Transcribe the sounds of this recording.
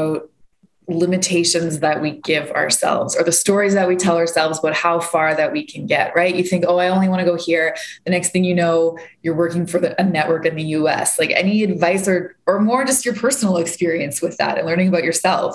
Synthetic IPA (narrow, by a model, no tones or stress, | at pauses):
ʊt̚ | lɪ̃mɨtʰeɪʃɨ̃nzðɨʔ̚wiɡɪvə̰˞sɛ̰lˠvz̥ə˞ðɨstɔɹizðɨt̚witʰɛlˠə˞sɛlˠvzbʌt̚haʊfɑɹðɨt̚wikʰɨ̃nɡɛ̰ʔ̚ɹaɪʔjɨθɪ̃ŋkoʊaɪõʊ̃nliwɑ̃ñɨɡoʊhiɹðɨnɛksθɪ̃ŋjɨnoʊjə˞wɜ˞kɪ̃ŋfə˞ðɨʔɨnɛʔwɜ˞kɨ̃nðɨjʉɛ̰slaɪkɛ̰niɨdvaɪsə˞ | ə˞mɔɹd͡ʒʌstjə˞pʰɜ˞sn̩l̩ˠəkspɪɹiɨ̃nswɨðæ̰ɾɨ̰̃nlɜ̃˞ñɪ̃ŋəbaʊt͡ʃə˞sɛ̰lˠvz̥